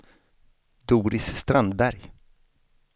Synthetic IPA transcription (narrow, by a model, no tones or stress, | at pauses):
d̪uːɾɪsːt̪ɾand̪bæɾj